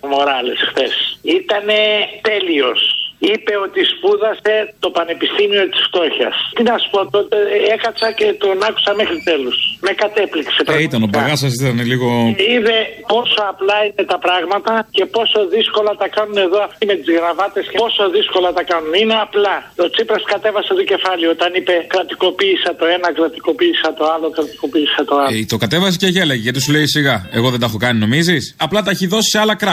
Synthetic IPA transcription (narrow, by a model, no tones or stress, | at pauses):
mo̞ɾɐle̞sxθe̞sit̪ɐne̞t̪e̞lio̞sipe̞o̞t̪ispuðɐse̞t̪o̞pɐne̞pist̪imio̞t̪i̥sft̪o̞çɐ̰st̪inɐsu̥po̞t̪o̞t̪eekɐsɐce̞t̪onɐku̥sɐmexɾit̪e̞losme̞kɐt̪e̞pliksepɾeit̪ɐnobɐɣɐsɐs̬it̪ɐneliɣoiðe̞po̞so̞ɐplɐine̞t̪ɐpɾɐɣmɐt̪ɐce̞po̞so̞ðisko̞lɐt̪ɐkɐnune̞ðo̞ɐft̪ime̞t̪izɣɾɐvɐt̪e̞scepo̞so̞ðisko̞lɐt̪ɐkɐnunine̞ɐplɐo̞t͡sipɾɐskɐt̪e̞vɐset̪oce̞fɐliot̪ɐnipe̞kɾɐt̪iko̞piːsɐt̪o̞e̞nɐkɾɐt̪iko̞piːsɐt̪o̞ɐlokɾɐt̪i̥ko̞piːsɐt̪oɐt̪o̞kɐt̪e̞vɐs̬iceʝelɐʝeʝɐt̪is̬uleisiɣɐe̞ɣo̞ðed̪ɐxo̞kɐnino̞mizisɐplɐt̪ɐeçiðo̞si̥seɐlɐkɾɐ